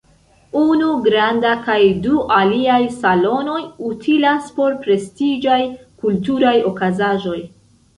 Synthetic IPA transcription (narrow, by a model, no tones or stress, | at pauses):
unuɡɾandakajduʔaliajsalo̞no̞jutʰilaspo̞ɾpɾe̞stid͡ʒajkultuɾajo̞kazaʒo̞j